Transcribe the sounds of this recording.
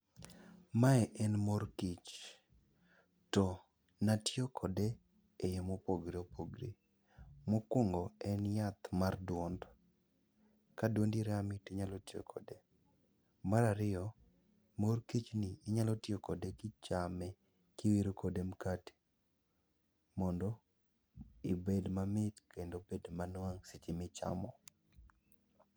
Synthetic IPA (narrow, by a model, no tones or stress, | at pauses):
maɛʔɛnmorkit͡ʃ | tɔ | natjokʰɔde | ejemopoɡɾeopoɡɾḛ | mokoŋɡɔɛnjat̪mardwɔnd | kadondiɾamɪteɲalotjo̰kʰɔde | maɾaɾɪɔ | morkit͡ʃnɪɪɲalɔtɪokodekɪt͡ʃamɛ | kɪwiɾokʰodemkati̥ | mɔndɔ | ɪbedmamɪtkendobedmanwaŋsit͡ʃɪmɪt͡ʃa̰mɔ